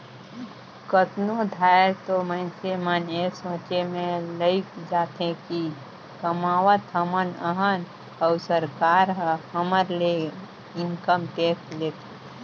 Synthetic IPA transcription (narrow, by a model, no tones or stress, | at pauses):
kət̪nod̪ʱaːeɾt̪oməɪnsemanesõːt͡ʃemẽləɪkd͡ʒaːt̪ẽki | kəmaːʋət̪əmənəɦən | əʊsəɾkaːɾɦhəməɾle | ɪnkəmʈeːkʈleːt̪ʰe